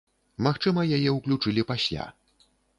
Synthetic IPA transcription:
maxt͡ʂɨmɐjajɛuklʲut͡ʂɨlʲipasʲlʲa̰

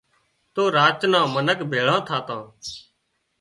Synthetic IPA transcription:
t̪oːɾaːt͡ʃnãːmənəkbʱeːɭãːt̪ʰaːt̪ãː

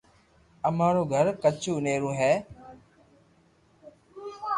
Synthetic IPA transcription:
əmaːɾoːɡʱəɾkət͡ʃʰuːneːɾũːɦɛː

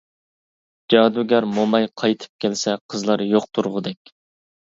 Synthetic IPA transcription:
d͡ʒɑːd̪uɡʲæɾmomɑjqʰɑjt̪ʰɨ̥p̚kʲʰɛlsɛqʰəzlˠɑɾjoqt̪ʰuɾʁʊd̪ɛkʲ

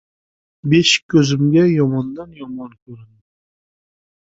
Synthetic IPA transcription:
beʃkʲʰɵzɪmɡʲɛjɒmɑnd̪ɑnjɒmɑnkʲʰɵɾɪnd̪ɪ

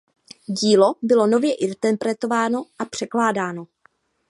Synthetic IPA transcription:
ɟiːlo̞bɪlo̞no̞vjɛʔɪnt̪ɛpɾɛt̪o̞vaːno̞ʔapr̝̥ɛklaːdaːno̞

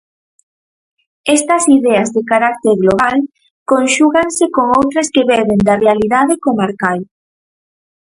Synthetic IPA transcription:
ɛst̪ɐsiðɛɐzðekaɾak̚t̪eɾɣloβal | konʃuɣaŋsekoŋowt̪ɾɐskeβɛβend̪arealiðaðɪkomaɾkal

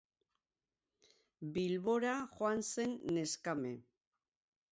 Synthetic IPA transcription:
bilβo̞ɾaxoanse̞nːe̞skame̞̰

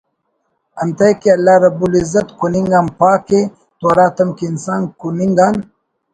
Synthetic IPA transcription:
ɐnt̪ɐjkiɐlːaːɾɐbulizɐt̪kuniŋɡanpaːke | t̪oːɾaːt̪ɐmkiːnsaːnkuniŋɡan

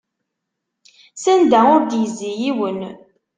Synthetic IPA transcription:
sænd̪æʊɾd̪jəzːijiwən

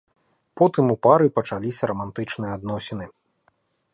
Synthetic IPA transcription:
pɔt̪ɨmupaɾɨpɐt͡ʂalʲisʲɐɾɐmant̪ɨt͡ʂnɨjɐad̪nɔsʲɛnɨ

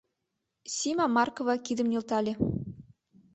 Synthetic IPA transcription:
sʲimɑmɑrkovɑkʲid̪ɘ̆mnʲĭlˠt̪ɑlʲĕ

